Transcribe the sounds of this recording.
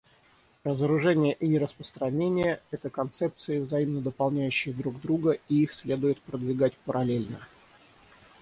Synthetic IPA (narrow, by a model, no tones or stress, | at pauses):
rəzəɾʊʐɛnʲɪjəʔinʲɪɾəspɾə̥st̪ɾɐnʲenʲɪjəɛt̪əkɐnt̪sɛp̚t̪sɨɪvzɐimnəd̪əpɐlˠnʲæjʉɕːɪjəd̪ɾuɡd̪ɾuɡəiixsʲlʲe̞d̪ʊjɪt̪pɾəd̪vʲɪɡatʲpəɾɐlʲelʲnə̰